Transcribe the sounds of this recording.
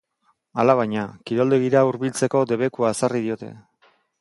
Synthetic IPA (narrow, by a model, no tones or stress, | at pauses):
alaβ̞ajɲakiɾo̞ld̪eɣiɾauɾβilt͡se̞ko̞d̪e̞βe̞kuaesarið̞io̞t̪e̞̰